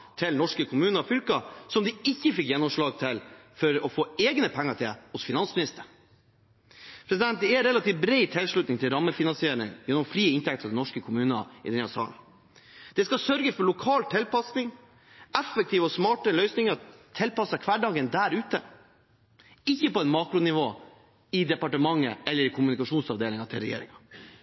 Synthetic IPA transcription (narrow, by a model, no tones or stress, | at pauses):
t̪ʰɪlnɔʂkəkʰʊmʉːnəfʏlkɑsɔmd̪ɪɪçːəfɪkjɛnːɔmʂɭɑːɡ̚t̪ʰɪlfɔɾɔfoːeːɡnəpʰɛŋːəʈʰɪlhʊsfɪnɑnsmɪnɪst̪əɾ | pʰɾɛs̬ɪd̪ɛnt̪̚d̪ɛɛɾɛlɑt̪ʰiːʋbɾɛɪt̪ʰɪlʂɭʉt̪nɪŋt̪ʰɪlɾɑmːəfɪnɑnsɪeːɾɪ̰ŋjɛnːɔmfɾiːəɪnt̪ʰɛk̚t̪əɾɑʋd̪ɛnɔʂkəkʰʊmʉːnə̰ɪ̰d̪ɛnːɑsɑ̰ːln̩ | d̪̥ɛskɑsœɾɡəsfɔɾɭʊkʰɑːlt̪ʰɪlpɑsnɪŋ | ɛfək̚t̪ʰiːʋɔsmɑːʈəlœʏsnɪŋəɾt̪ʰɛlpɑsːɑkʰʋæɖɑːɡənd̪æːɾʉːt̪ə | ɪçːəpɔɛnmɑːkɾʊnɪʋoː | ɪd̪ɛpɑʈəmɑŋːə̰ʔɛlːəɾɪkʰʊmʉnɪkɑʂuːnsɑʋd̪eːlɪŋɑt̪ʰɪlɾɛjḛːɾɪ̰ŋɑ